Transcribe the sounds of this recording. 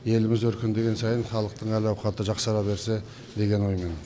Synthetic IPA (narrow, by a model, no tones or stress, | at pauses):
je̞lɪmɪzwɵɾkʲʰɪnd̪e̞ɡʲe̞nsɑjənχɑlˠəq̚t̪əɴælɑwqɑt̪əʒɑqsɑɾɑbe̞ɾse̞ | d̪e̞ɡʲe̞nwo̞jmen